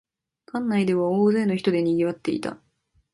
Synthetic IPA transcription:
kʰãnːaid̪e̞βaoːze̞ːnoçi̥t̪o̞d̪e̞ɲ̟iɡʲiβat̪ːe̞ḭt̪a̰

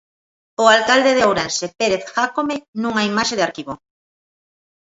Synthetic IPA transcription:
oalkald̪eðeowɾenʃepeɾeθxakomenũŋaimaʃeðeaɾkiβo

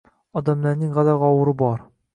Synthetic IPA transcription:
ɒd̪æmlæɾnɘŋʁælæʁɒwɤ̆ɾɤbɒɾ

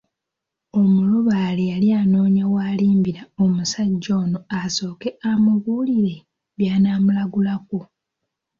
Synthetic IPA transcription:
o̞muloβalejaliaːno̞ːɲawaːliːmbiɾaomusaɟːo̞ːno̞aso̞ːkeamuβuːliɾe̞ | βjaːnaːmulaɡulak̚o

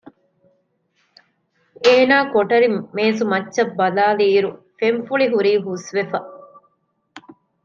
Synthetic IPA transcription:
eːnaːkoʈɐɾimeːsumɐtːʃɐbːɐlaːliːɾu | femfuɭiɦuɾiːɦusʋefɐ

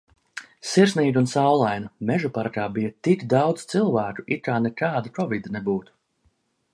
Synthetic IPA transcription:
siɾsniːɡ̪unsawlˠajnɐmɛʒupaɾkaːbijat̪ikd̪awd̪z̥t̪silˠvæːkuit̪̚kaːnɛkaːd̪akɔvid̪ɐnɛbuːt̪u̥

